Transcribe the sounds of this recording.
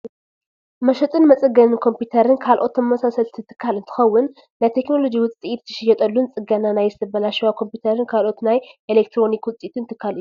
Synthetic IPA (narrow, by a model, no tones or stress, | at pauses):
mɐʃɐt̪ʼɨnmɐt͡sʼɨɡɐnɨnkʰo̞mpjut̪ʰɐɾɨnkʰalʔo̞t̪ːɐmɐmɐsasɐlt̪ʰit̪ʰɨ̥kʰːalɨnt̪ʰɨ̥xɐwːʊn | nat̪ʰekno̞lo̞d͡ʒiwʊt͡sʼiʔit̪t̪ːʰɨ̥ʃɐjːɛt̪ʼɐlːunt͡sʼɨɡɐnanajzt̪ʰɐbɐlaʃiwakʰo̞mput̪ʰɐɾɨnkʰalʔo̞t̪najʔelek̚t̪ʰɾo̞nikwʊt͡sʼit̪ʰɨnt̪ʰɨkʰːalɨju